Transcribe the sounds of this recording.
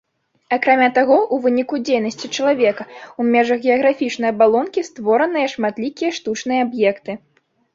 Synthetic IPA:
akɾamʲat̪aɣɔʔuvɨnʲikud͡zʲejnɐsʲt͡sʲit͡ʂɐlˠavʲɛkɐumʲɛʐɐɣɣʲɛɐɣɾafʲit͡ʂnɐjɐbalˠɔnkʲist̪vɔɾɐnɨjɐʂmat̪lʲikʲijɐʂt̪ut͡ʂnɨjɐabjɛkt̪ɨ

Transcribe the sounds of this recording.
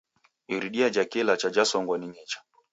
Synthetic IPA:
iɾiɗiad͡ʒakɛlat͡ʃad͡ʒasɔŋɡwɔniɲɛt͡ʃḁ

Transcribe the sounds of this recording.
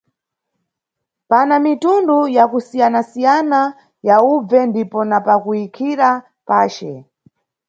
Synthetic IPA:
panamitundujakusijanasijana | jaub͡vɛndipɔnapakuikʰiɾa | paːt͡ʃɛ

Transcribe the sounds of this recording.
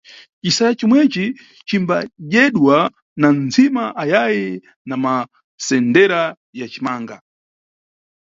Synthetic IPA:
t͡ʃisajat͡ʃimwɛt͡ʃi | t͡ʃimbaʄɛɗwa | nanzimaʔajaji | nama | sɛndɛɾa | jat͡ʃimaːŋɡa̰

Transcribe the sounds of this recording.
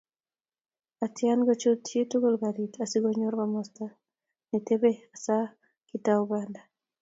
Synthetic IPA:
atjanɡɔt͡ʃotʰjetuɡolɡaɾitasiɡɔɲoɾbamɔsta | nɛtebeasa | kitaubanda

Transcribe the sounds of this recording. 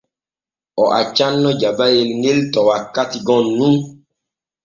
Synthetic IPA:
ɔʔa̰t͡ʃanːɔd͡ʒabajelŋeltɔwakatiɡɔ̃nːũ

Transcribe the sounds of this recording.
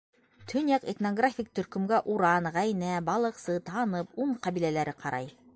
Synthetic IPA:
t̪ʰɵ̆njɑqet̪noɡrafʲik̚t̪ɵ̆ɾkɵ̆mɡæʔuɾɑnʁæjnæbɑlˠɤ̆qsɤt̪ɑnɤpuɴqɑβilælæɾɘqʰɑɾʔɑj

